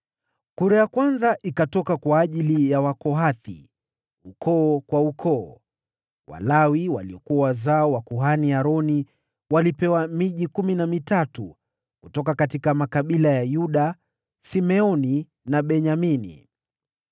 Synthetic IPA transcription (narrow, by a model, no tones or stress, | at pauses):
kuɾajakwanzaʔikatɔkakwaːʄilijawakɔɦaθḭ | ukʰɔːkwaukʰɔ̰ː | wa̰lawiwa̰liɔkuawazaɔwakuɦaniaɾɔni | walipɛwamiʄikuminamitatu | kutɔkakatikamakaɓilajajuɗa | simɛɔni | naɓɛɲaminḭ